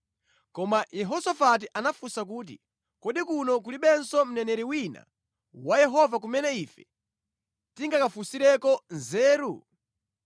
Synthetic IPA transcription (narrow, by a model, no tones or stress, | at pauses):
kɔmajɛɦɔsafat̬iʔanafusak̬uːt̬ḭ | kɔɗikunɔk̬uliɓɛnsɔm̩nɛnɛɾiwina̰ | wajɛɦɔvak̬umɛnɛifɛ | tiŋɡakafusiɾɛkɔnzɛːɾu